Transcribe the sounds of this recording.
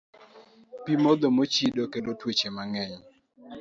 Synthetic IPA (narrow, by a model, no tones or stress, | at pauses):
pimod̪omot͡ʃidokelotwot͡ʃemaŋɛɲ